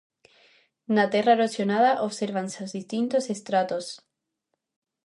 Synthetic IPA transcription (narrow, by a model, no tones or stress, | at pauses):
nat̪erarosjonaðaʔoβseɾβansozðist̪int̪osest̪ɾat̪os